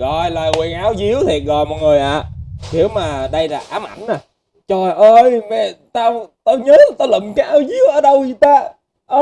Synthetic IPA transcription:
ɣɔ˧˨˩jlaː˨˩wi˨˩ənʔaː˨˦wzi˨˦əwt̪ʰi˨˩ət̚ɣɔ̰˧˨jmɔ˨˩t̚ŋɨ˨˩əjʔaː˨˩k̪ʰi˨˦əwmaː˨˩ɗə˧jlaː˨˩ʔaː˨˦mʔa̰˧˩nːaː˨˩ | t͡ɕɔ˧˩˨ʔəː˧jvɛ˨˩t̪aː˧t̪aː˧ɲəː˨˦˨t̪aː˧la˨˩m˨˩kaː˨˦jʔaː˨˧˦wzi˨˦əwʔəː˨˦ɗə˧wzi˨˩t̪aː˧ | ʔəː˧

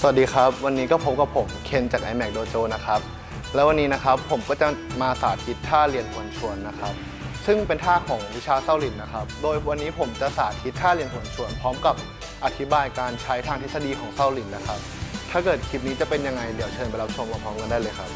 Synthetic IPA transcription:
sa˨˩a˨˩t̚diː˧kʰa˦˥p̚wa˧nːiː˦˥kɔː˥˩pʰo˨˦˥mka˨˩pʰo˨˩˦mkʰe˧nt͡ɕaː˨˩k̚ʔa˧jmɛ˨˩k̚doː˧t͡ɕoː˧na˦˥kʰa˦˥p̚ | lɛː˦˥wa˧nːiː˦˥na˦˥kʰa˦˥pʰːo˩˦mkɔː˥˩t͡ɕa˨˩maː˧saː˨˩t̪̚ʰi˦˥t̪̚ʰːaː˥˩li˧ənkʰu˨˩ənt͡ɕʰu˧ənːa˦˥kʰa˦˥p̚ | sɯ˥˩ŋpe˧nt̪ʰaː˥˩kʰɔː˩˦ŋwi˦˥t͡ɕʰaː˧sa˥˩wli˨˩nːa˦˥kʰa˦˥p̚doː˧jwa˧nːiː˦˥pʰo˩˦mt͡ɕa˨˩saː˨˩˦t̪̚kʰi˦˥t̪̚kʰːaː˥˩li˧ənkʰu˨˩ənt͡ɕʰu˧ənpʰɔː˦˥mka˨˩p̚ | ʔa˨˧˩t̪ʰi˦˥baː˧jkaː˧nt͡ɕʰa˦˥jt̪ʰaː˧ŋt̪ʰe˦˥sa˧diː˧kʰɔː˩˦ŋsa˥˩wli˨˩nːa˦˥kʰa˦˥p̚t̪ʰaː˥˩kɤː˨˩t̪̚kʰi˦˥p̪̚niː˦˥t͡ɕa˨˩pe˧nja˧ŋːa˧jdi˩˦wt͡ɕʰɤː˧npa˧jla˦˥p̚t͡ɕʰo˧mlːmʰpʰɔː˦˥mɤː˧ndaː˥˩jlɤː˧jkʰa˦˥p̚

